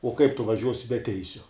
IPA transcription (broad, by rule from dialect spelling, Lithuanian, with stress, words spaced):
oː kɐɪp tʊ ʋɐˈʒʲuɔsʲɪ bʲɛ ˈtʲɛɪsʲʊ